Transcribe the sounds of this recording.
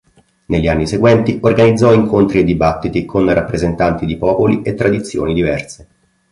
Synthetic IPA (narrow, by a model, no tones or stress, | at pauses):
nelʎːianːiseɡwɛnt̪iorɡanid̪zːɔiŋkʰont̪ɾied̪ibat̪ːit̪ikʰonrʔapːɾezent̪ant̪id̪ipɔːpoliʔet̪ːɾad̪it̪sːjo̰ːnid̪ivɛrse